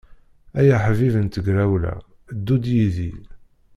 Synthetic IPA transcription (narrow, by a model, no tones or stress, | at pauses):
æjæħvivənt̪əɡɾæwlæ̰ | d̪ːud̪jiðil